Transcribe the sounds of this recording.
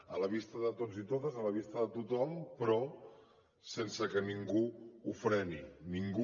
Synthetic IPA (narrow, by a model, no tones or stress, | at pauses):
ələβist̪əðət̪od͡zit̪ot̪əzələβ̞ist̪əðət̪ut̪ɔmpɾɔ | sensəkəniŋɡuufɾɛniniŋɡu